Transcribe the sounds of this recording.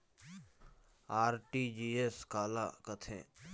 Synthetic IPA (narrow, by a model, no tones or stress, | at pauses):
aːɾʈiːd͡ʒiːeskaːla̰kət̪ʰḛ̃ː